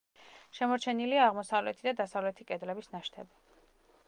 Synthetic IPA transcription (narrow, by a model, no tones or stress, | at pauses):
ʃɛmɔɾt͡ʃʰɛniliaːʁmɔsavlɛt̪ʰid̪ad̪asavlɛt̪ʰikʼɛd̪lɛbisnaʃt̪ʰɛbi